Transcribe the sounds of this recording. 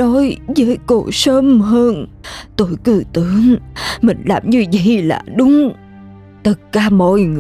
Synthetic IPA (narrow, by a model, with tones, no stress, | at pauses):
ɔ˨˦jzəː˨˦jko˧˩səː˧˦mɦəː˧n | t̪o˧˩˨jkɨ˧˩t̪ɨ˧˦əŋmï˨˩ŋ̟laː˨˩mɲɨ˧və̰˧˨jla̰ː˨˩ɗʊ˨˦ŋ͡m | t̪ʰə˨˩t̚kaː˧˩mɔ̰˧˨jŋ˧